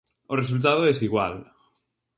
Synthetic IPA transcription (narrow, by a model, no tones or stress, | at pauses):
oresult̪̬aðoesiɣwa̰l